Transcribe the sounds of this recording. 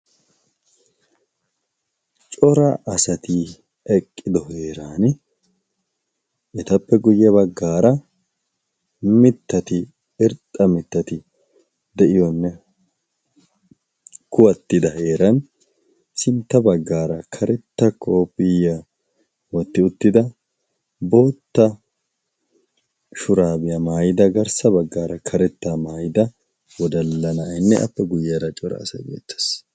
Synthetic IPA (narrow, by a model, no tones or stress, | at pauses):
t͡ʃʼɔɾɐʔɐsɐt̪i | ɛkʼːɪd̪ɔɦeːɾaːn | ɛt̪ɐpːɛɡʊjːɐβɐɡːaːɾɐ | mɪt̪ːɐt̪ɪ | ɪɾt̪ʼːɐmɪt̪ːɐt̪ɪ | d̪ɛʔɪjɔnːɛ | kʊwɐt̪ːɪd̪ɐhe̞ːɾɐn | sɪnt̪ːɐbɐɡːaːɾɐkʰɐɾɛt̪ːɐkʰːoːpːɪjːa | wɔt̪ːɪʊt̪ːɪd̪ɐ | bo̞ːt̪ːɐ | ʃʊɾaːbɪjɐmaːjɪd̪ɐɡɐɾsɐbɐɡːaːɾɐkʰɐɾɛt̪ːamaːjɪd̪ɐ | wɔd̪ɐlːɐnɐːjnːɛʔɐ̰pːɛɡʊjːaɾɐt͡ʃʼɔɾɐ̰ːsɐ̰jbḛːt̪ːe̥s